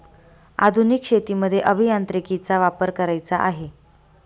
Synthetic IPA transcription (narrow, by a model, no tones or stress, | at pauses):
a̰d̪ʱunikɕet̪iməd̪ʱːjeʔəbʱijant̪ɾikit͡saʋapəɾkəɾajt͡saʔaɦe